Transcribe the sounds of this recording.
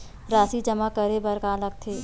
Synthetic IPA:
ɾaːsid͡ʒəmakəɾebɐɾkaːlək̚t̪ʰeː

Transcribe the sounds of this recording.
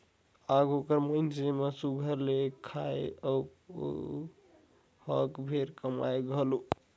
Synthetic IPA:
aɡokəɾmənsemesuɡʱəɾlekʰaeə̰ | həkbʱeɾkəma̰eɡʱəlu

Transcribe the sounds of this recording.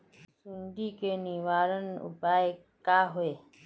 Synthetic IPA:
sɪ̃ɳɖiːkeːniːʋaːɾənʊ̰paːe | kaːɦoeː

